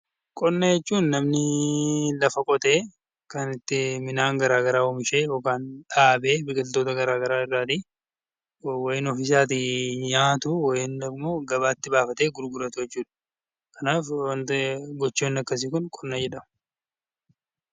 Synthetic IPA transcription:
kʼɔnːɐjɛt͡ʃːuːnːɐmnɪ | lɐfɐkʼɔt̪eː | kɐnɪt̪ːɪmɪnaːŋɡɐɾaːɡɐɾaːɔmɪʃe̞ːjoːkaːnᶑaːbe̞ːbɪkʼɪlt̪oːt̪ɐɡɐɾaːɡɐɾaːɪrːaːt̪i | wɐjɪnɔfɪs̬aːt̪̬ɪɲaːt̪ʊwɐjɪnɐmːo̞ːɡɐbaːt̪ːɪbaːfɐt̪e̞ːɡʊɾɡʊɾɐt̪ʊjɛt͡ʃːuːᶑɐ̥ | kɐnaːfwɐnt̪ɡɔt͡ʃːoːnːɐkːɐs̬ɪkʊnkʼɔnːɐd͡ʒɛᶑɐmɐ

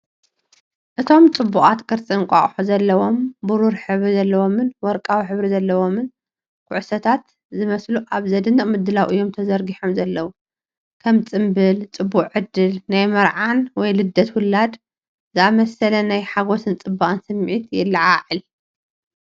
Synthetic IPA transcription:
ʔɨt̪ʰo̞mt͡sʼɨbːuʔʼat̪kʰʼɨɾt͡sʼɨŋkʼa̰χʼħuzɐlːɐwo̞mbuɾuɾħɨβɾizɐlːɐwo̞mɨnwɔɾkʼawiħɨβɾizɐlːɐwo̞mɨn | kʰʊʕsɐt̪ʰat̪ | zɨmɐsluʔaβzɐd̪ɨnːɨχʼmɨd̪ːɨlawʔɨjːomt̪ʰɐzɐɾɡiħomzɐlːɐwu | kʰɐmt͡sʼɨmbɨlt͡sʼɨbːuχʼʕɨd̪ːɨlnajmɐɾʕanwɔjlɨd̪ːɐt̪wʊlːad̪ | zɨʔamɐsɐlɐnajħaɡo̞sɨnt͡sʼɨbːaʔʼɨnsɨmːʕit̪jɪlːɨʕaʕɨl

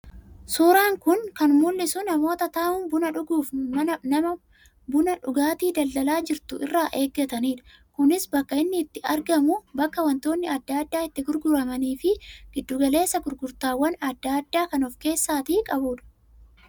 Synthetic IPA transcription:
suːɾaːŋkʊŋkɐnmulːɪsʊnɐmo̞ːt̪ɐt̪aːʔʊnbʊnɐᶑʊɡuːfmɐnɐmɐ | bʊnɐᶑʊɡaːt̪iːd̪ɐld̪ɐlaːd͡ʒɪɾt̪ʊʔɪ̰rːaːʔe̞ːɡːɐt̪ɐniːᶑɐ̥ | kʊnɪsbɐkːɐɪnːɪːt̪ːɪɐɾɡɐmʊbɐkːɐwɐnt̪o̞ːnːɪɐd̪ːaːɐd̪ːaːɪt̪ːɪɡʊɾɡʊɾɐmɐniːfɪɡ̥ɪd̪ːʊːɡɐle̞ːsːɐɡʊɾɡʊɾt̪aːwːɐnɐd̪ːaːd̪ːaːkɐnɔfke̞ːsːaːt̪iːkʼɐbuᶑɐ̥

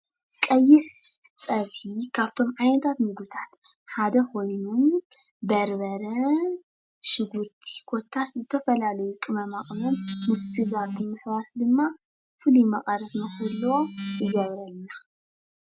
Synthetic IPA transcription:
kʼɐjːɪħ | t͡sʼɐβikʰaβt̪ʰo̞mʕajnɐt̪ʰat̪mɨɡɨt̪ʰat̪ | ħad̪ɐko̞jnubɐɾbɐɾɐ | ʃɨɡɨɾt̪ʰi̥kʰo̞t̪ʰːaszɨt̪ʰɐfɐlalɐjukʼɨmɐmaχʼmɐmːɨsɨzabɨmɨħwasd̪ɨmːa | fɨlumɐχʼɐɾɐfnɐxɨlːwoɨɡɐβɾɐlna

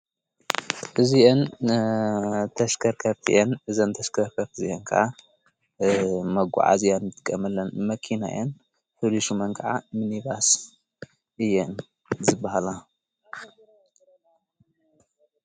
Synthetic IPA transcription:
ʔɨziʔen | t̪ʰɐʃkʰɐɾkʰɐɾt̪ʰḭʔɛnʔɨzɐnt̪ʰɐʃkʰɐɾkʰɐɾt̪ʰɨziʔɛŋkʰɐ̰ʔa | mɐɡʷṵʕa̰zijanɨt̪ʼɨ̥kʼːɐmɐlːɐnmɐkʰina̰jʔɛn | ħɨluʃumɐnkʰɐʕa̰mɨniβas | ʔɨjːɛn | zɨbahala

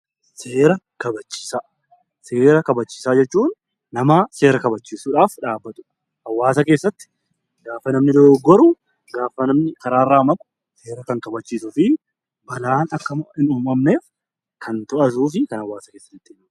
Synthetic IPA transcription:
se̞ːɾɐ | kɐbɐt͡ʃːi̥ːsaː | se̞ːɾɐkɐbɐt͡ʃːi̥ːsaːd͡ʒɛt͡ʃːuːnː | ɐmaːse̞ːɾɐkɐbɐt͡ʃːiːsuːᶑaːfᶑaːbːɐt̪ʼʊ̥ᶑɐ | ʔɐwːaːsɐke̞ːsːɐt̪ːɪ̥ | ɡaːfːɐnɐmnɪd̪oːɡɔɾʊ | ɡaːfːɐnɐmnɪkɐɾaːrːaːmɐt | se̞ːɾɐkɐŋkɐbɐt͡ʃːiːsʊfɪ | bɐlaːnɐkːɐɪnuːmɐmne̞ːf | kʰɐnt̪ɔʔɐs̬uːfɪkɐnɐwːaːsɐke̞ːsːɐt̪ːɪt̪ːɪ

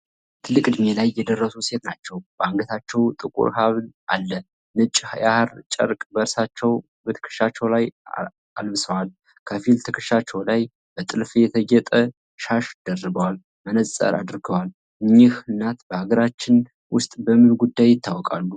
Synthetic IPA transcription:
t̪ʰɨlːɨkʼɨd̪me̞lajːɛd̪ərːəsuse̞t̪nat͡ʃːɛwbəaŋɡət̪ʰat͡ʃːɛwt̪ʼɨkʼṵɾhaβnʔalːə | nɨt͡ʃʼːhajahaɾt͡ʃʼə̰ɾkʼbəɾsat͡ʃːɛw | bət̪ʰə̥kʰɨ̥ʃat͡ʃːɛwlaj | albɨsəwal | kʰəfilt̪ʰəkʰɨʃat͡ʃːɛwlaj | bət̪ʼɨlfjɛt̪ʰəɡɛt̪ʼə | ʃaʃd̪̥ərːɨbəwal | mənəə̰ɾa̰d̪ɾɡəwal | ɨɲːɪhɨnːat̪bəhaɡəɾat͡ʃːɪn | wʊst̪ʼbəmɨnɡud̪ːajːɪt̪ʰːawɔkʼa̰lːu

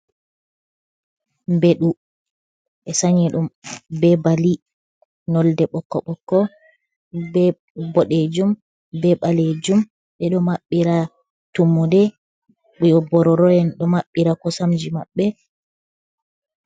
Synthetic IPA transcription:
mbɛɗu | ʔɛsaɲiɗumbɛbali | nɔldɛɓɔkːɔ̰ɓɔkːɔ | bɛ | bɔɗed͡ʒum | bɛɓaled͡ʒum | ɓɛɗɔmaɓːiɾa | tumːudɛ | ɓjɔbɔɾɔɾɔjɛnɗɔmaɓːiɾakɔsamd͡ʒimaɓːɛ

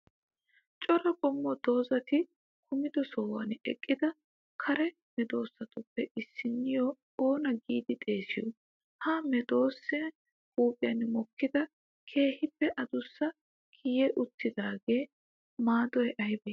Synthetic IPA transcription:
t͡ʃʼɔɾɐkʼɔmːɔd̪̥o̞ːzɐt̪ɪ | kʰʊmɪd̪ɔsɔːwɐ̰nɛkʼːɪd̪ɐ | kʰɐɾɛ | mɛd̪o̞ːsːɐt̪ʊpːɛʔɪsːɪnːɪjɔ | oːnɐɡiːd̪ɪt̪ʼe̞ːsɪjɔ | hɐmɛd̪o̞ːsːɪɐ | kuːpʼɪjɐnːmɔkːɪd̪ɐ | kʰe̞ːhɪpːɛʔɐd̪ʊsːɐ | kʰɪjɛʔʊt̪ːɪd̪aːɡe̞ː | maːd̪ɔjɛʔɐɪbɐ

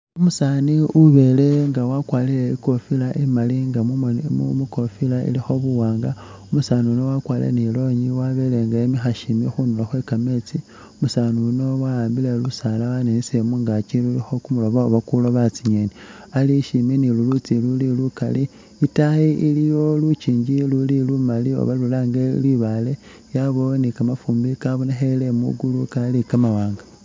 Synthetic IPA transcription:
umusaːniuβe̞le̞ŋɡawakwaːlileiko̞filaʔimaliŋɡaumuko̞filaḭlixo̞βuwaːŋɡa | umusaːniunowakwaːlḛnilo̞ɲiwaβe̞le̞ŋɡaemixaʃimixunulaxwe̞kame̞t͡si | umusaːniuno̞waaːmbilelusaːlawanenisemuŋɡat͡ʃilulixo̞kumuloβaoβakuloβat͡siɲeni | aliʃiminilulut͡silulilukali | itajiʔilijo̞lut͡ʃiːɲɟilulilumalio̞̰βalulaːŋɡelwiβale | jaβonikamafuːmbikaβunexelemṵɡulukalikamawaːŋɡa

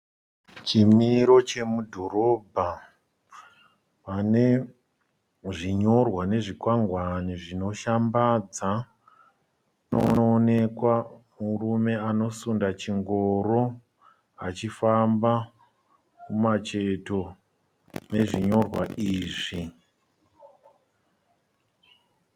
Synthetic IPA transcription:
t͡ʃimiɾo̞t͡ʃe̞mudʱo̞ɾo̞bʱa | ʋane̞ | ʐiɲo̞rwane̞ʐikwaŋɡwaniʐino̞ʃambad͡za | no̰ːne̞kwa | murume̞ano̞sundat͡ʃiŋɡoɾo̞ | a̰t͡ʃifamba | kumat͡ʃe̞to̞ | ne̞ʐiɲo̞rwa̰iːʐi

